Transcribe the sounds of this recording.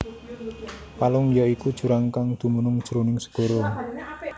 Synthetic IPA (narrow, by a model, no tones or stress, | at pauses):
palʊŋjɔikud̥ʒ̥ṳɾaŋkaŋd̪̥ṳmunʊŋd̥ʒ̥ɾonɪŋsə̥ɡ̥o̤ɾo